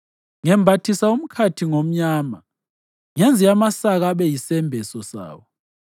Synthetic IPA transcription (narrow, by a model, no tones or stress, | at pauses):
ŋɛmbʱatʰisaum̩kʰatʰiŋom̩ɲaːma | ŋɛnd͡zʱiamasaɣaβɛjisɛmbʱɛsɔsa̰ːwɔ